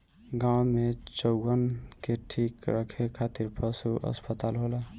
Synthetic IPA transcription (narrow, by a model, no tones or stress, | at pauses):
ɡãwmet͡ʃəʊɡənkeʈʰikɾəkʰekʰat̪iɾpəsuə̰spət̪alɦolə